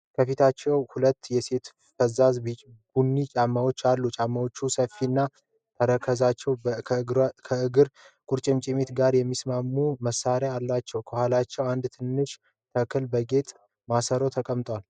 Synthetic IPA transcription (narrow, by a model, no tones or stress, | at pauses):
kʰəfit̪ʰat͡ʃːɛwhulət̪ːjɛse̞t̪ | fəzazbɡ̥unːit͡ʃʼamːawo̞t͡ʃːalːut͡ʃʼamːəwo̞t͡ʃːusəfːinːa | t̪ʰəɾəkʰəzat͡ʃːɛwkʰɡkʰəɨɡɨɾ | kʼuɾt͡ʃʼɪmt͡ʃʼɪmet̪ɡaɾjɛmːismamːuməsaɾaalːat͡ʃːɛwkʰəhʷalat͡ʃːɛwand̪t̪ʰɨnːɨʃ | t̪ʰəkʰɨlbəɡe̞t̪ʼ | masəɾo̞t̪ʰəkʼəmt̪ʼwal